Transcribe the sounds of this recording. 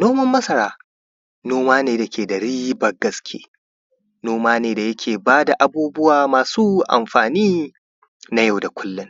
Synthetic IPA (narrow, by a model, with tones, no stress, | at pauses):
noː˦mɐ˦mːɐ˦sɐ˨ɾaː˦ | noː˦maː˦neː˨dɐ˨kʲeː˨dɐ˨ɽiː˦bɐ˨ɡɐ˦skʲʰḛː˦ | noː˦maː˦neː˨da˨jɐ˦kʲʰeː˨baː˦da˨ʔa˨buː˦bʊ˦waː˨maː˨suː˦ʔa̰˨mɸaː˨niː˦ | na˦ja˦˨wda˨kʷʊ˦lːɪ˦ŋ